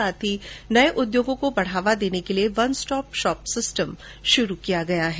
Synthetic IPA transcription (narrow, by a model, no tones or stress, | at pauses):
aːt̪ʰinɐeʔʊd̪joːɡõkobɐɽ̤aːʋad̪eːnekelieʋɐnsʈɔːpʃɔːpsɪsʈəm | ʃʊɾukijaɡɐjaɦɛː